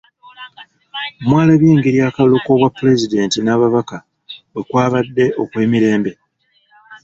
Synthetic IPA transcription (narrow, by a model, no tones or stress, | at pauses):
mwaːlaβjeːŋɡeɾjaːkaloko̞βwapːule̞zide̞ːntinaːβaβaka | wwe̞kwaːβadːe̞ʔo̞kwe̞ːmiɾe̞ːmbe̞